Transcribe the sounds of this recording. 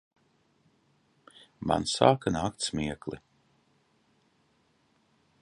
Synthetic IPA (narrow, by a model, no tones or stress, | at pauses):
ma̰nsa̰ːkanaːkt̪smʲiɛklˠḭ